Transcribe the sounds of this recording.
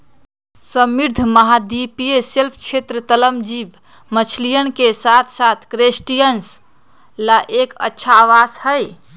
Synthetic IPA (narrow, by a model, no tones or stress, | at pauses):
səmiɾd̪ʱməɦad̪ipijeselpʰkt͡ʃʰet̪ɾət̪ələmd͡ʒib | mət͡ʃʰlijənkesat̪ʰsat̪ʰkɾesʈijəns | laʔekə̰tːʃʰaːʋashəj